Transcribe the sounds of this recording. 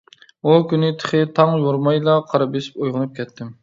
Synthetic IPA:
ukʲynɪt̪ʰə̥χɨt̪ʰɑŋjoɾmɑjlˠɑqʰɑɾɑbesi̥pojʁɨnɨp̚kʲʰɛt̪ʰːɪm

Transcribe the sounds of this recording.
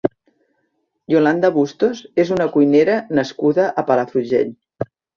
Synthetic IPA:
joland̪əβust̪ozezunəkujneɾənəskuðəʔəpaləfuʒḛʎ

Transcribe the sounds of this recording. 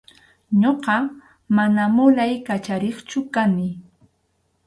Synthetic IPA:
ɲoqɑ | manamʊlajkat͡ʃaɾeχt͡ʃʊkanɪ

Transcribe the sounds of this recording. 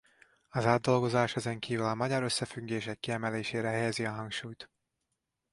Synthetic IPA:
ɒzaːd̪ːo̞lɡo̞zaːʃɛzɛŋkiːvylɒmɒɟɒɾø̞sːɛfyɡːeːʃɛkːiɛmɛleːʃeːɾɛɦɛjɛziɒɦɒŋkʃuːjt̪

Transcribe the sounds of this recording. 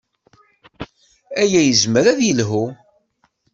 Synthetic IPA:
æjæjəzməɾæðjəlɦu

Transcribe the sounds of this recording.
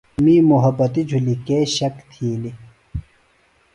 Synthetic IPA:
miːmuɦɐbːɐt̪id͡ʑʱulikeːɕɐkt̪ʰiːli

